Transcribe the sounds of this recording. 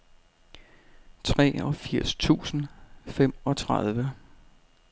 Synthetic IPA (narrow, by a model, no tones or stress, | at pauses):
t͡sʰʁɛ̰ːɒ̽fiɐ̰st͡sʰṵːsn̩fem̰ɒ̽t͡sʰʁað̞ˠʋə